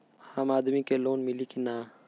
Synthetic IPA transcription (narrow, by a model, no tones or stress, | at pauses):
aːmaːd̪mikeloːnmɪlikinaː